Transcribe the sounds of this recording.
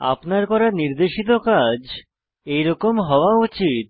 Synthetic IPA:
a̰pnaɾkɔɾaniɾd̪eʃit̪̬okad͡ʑ | ejɾɔkomɦɔoaut͡ɕit̪̚

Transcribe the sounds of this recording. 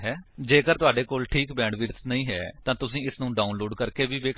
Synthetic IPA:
ɦɛːd͡ʒeːkəɾt̪ʊaːɖeːkoːlʈʰiːkbɛ̃ːɖʋiɾt̪nəĩːɦɛ̰ːt̪ãːt̪ʊsĩːɪsnũːɖaːʊnloːɖkəɾkeːʋiːʋeːk

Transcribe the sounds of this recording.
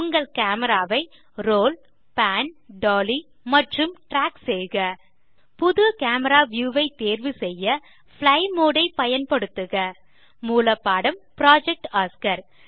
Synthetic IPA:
ʊŋɡɐɭkaːmɐɾaːʋɐɪ | ɾoːl | paːnɖoːli | mɐʈrɯmʈɾaːksɛjɣɐ | pʊðɯkaːmɐɾaːʋjuːʋɐɪt̪ːeːɾʋɯsɛjːɐ | flɐɪmoːɽɐɪpɐjɐnpɐɽɯt̪ːɯɣɐ | muːlɐpːaːɽɐmpɾaːd͡ʒɛk̚ʈaːskɐɾ

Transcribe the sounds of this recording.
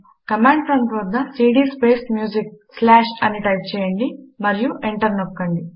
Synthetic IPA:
kɐmeːɳɖsɐnt̪ɾoːd̪nɐsiːɖiːspeːsmjuːd͡ʒik̚slaːʃɐniʈɐjp̚t͡ʃɛːjɐɳɖimɐɾijuʔeɳʈɐɾnokːɐɳɖi

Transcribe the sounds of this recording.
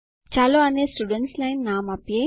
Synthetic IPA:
t͡ʃaːloːɐneːsʈuːɖeɳʈslɐjnːaːmɐpje

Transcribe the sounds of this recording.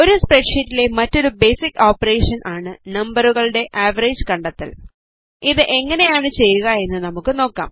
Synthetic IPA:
o̞ɾuspreɖʂitːile̞mɐtːo̞ɾubejsikːo̞ːpːɐre̞ːʂɐnʔaːɳɨnɐmbɐruɣɐɭɨɽe̞ʔaːʋɐreːd͡ʑɨkɐɳɖɐt̪ːɐ̰l | iðɨʔe̞ŋːɐne̞jaːɳɨt͡ɕe̞jːuɣɐe̞nːɨnɐmukːɨno̞ːkːa̰ːm

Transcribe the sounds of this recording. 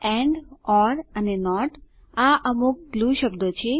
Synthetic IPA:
ɛ̃ɳɖɔɾənenɔʈ | aʔəmuk̚ɡluʃəbd̪ot͡ʃʰe

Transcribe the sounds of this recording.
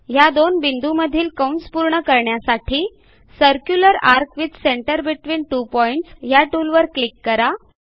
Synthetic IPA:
ɦjad̪onbind̪ʱuməd̪ʱiːlkəwnspuɾɳəkəɾɳjasaʈʰiː | səɾkjuləɾaɾkʋid̪seɳʈəɾbiʈʋiːnʈupɔiɳʈsjaʈulʋəɾklikːəɾa

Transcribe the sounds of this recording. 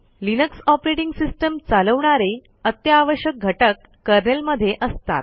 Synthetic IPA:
linəksɔpɾeʈiŋɡsisʈəmt͡saləʋɳaɾe | ət̪jəaʋəɕjək̚ɡʱəʈəkːəɾnelməd̪ʱːjeʔəst̪a̰t̪̚

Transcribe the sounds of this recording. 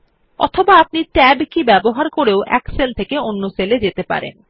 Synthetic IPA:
ɔ̰t̪ʰobaapniʈɛbkibɛboɦaɾkoɾeoʔɛ̰kselt̪ʰekeonːoseled͡ʑet̪epa̰ɾḛn

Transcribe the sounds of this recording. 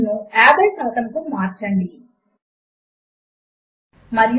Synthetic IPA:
nuaːbɐlsɐlɐt̪ɐmkumaːɾt͡ʃɐɳɖi | mɐɾj

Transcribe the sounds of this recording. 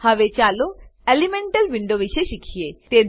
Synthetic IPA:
hɐʋet͡ɕaloelimeɳʈelʋiɳɖoʋiʃeʃikʰijet̪ed̪

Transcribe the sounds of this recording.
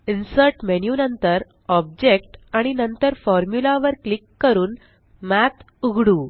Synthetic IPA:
insəɾʈmenjunənt̪əɾ | ɔb̚d͡ʑekʈaɽ̃inənt̪əɾfɔɾmjulaʋəɾklikːəɾuːn | mæt̪ | uɡɽuː

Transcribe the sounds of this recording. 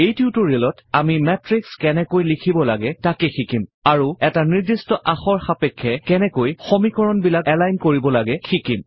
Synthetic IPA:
ejtjutuɹiɛlɔtamimɛtɹikskɛnɛkojlikʰibɔlaɡɛtakɛxikimaɹuɛtaniɹdistɔʔaxɔɹxapɛkʰːɛkɛnɛkojxomikɔɹɔnbilakɛlajnkoɹibɔlaɡɛxikim

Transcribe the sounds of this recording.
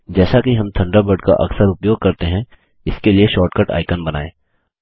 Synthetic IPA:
d͡ʒɛːsakiɦɐ̃mt̪ʰɐ̃ɳɖəbəɖka̰ʔɐ̰ksəɾʊpjoːɡ̚kɐɾt̪eɦɛ̃ | ɪskelieʃɔːɾʈkəʈa̰ːɪkənbɐna̰ːeː

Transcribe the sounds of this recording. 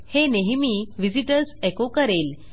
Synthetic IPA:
heneɦmiʋid͡ziʈəɾsekokəɾel

